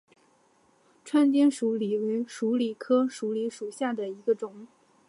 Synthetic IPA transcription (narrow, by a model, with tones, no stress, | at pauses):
ʈ͡ʂʰwa˥nt͡ɕi˥nʂu˧˥li˨˩we˧˥ɪʂu˧˥li˨˩kʰɤ˥ʂu˧˥li˧˥ʂu˨˩ɕja˥˩d̪ə˩i˧˥ɡə˧ʈ͡ʂʊ˨˩˦ŋ